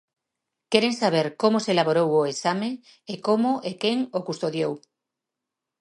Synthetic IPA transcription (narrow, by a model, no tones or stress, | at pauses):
keɾeŋsaβ̞eɾkomoselaβoɾowoesame | ekomoʔekeŋokust̪oðjow